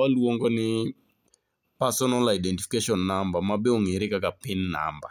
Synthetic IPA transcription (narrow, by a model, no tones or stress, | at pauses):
aluɔŋɡɔnɪ | pasɔnalaidɛntifikeʃɔnːambamaɓɛɔŋeɾikakapinna̰mba